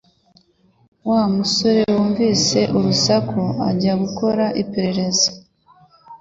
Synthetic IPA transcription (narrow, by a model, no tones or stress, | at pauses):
waːmuso̞ɾe̞woːɱviːse̞ʔuɾusakʰoa̰ɟaɡuko̞ɾaʔipeɾe̞ɾe̞zḁ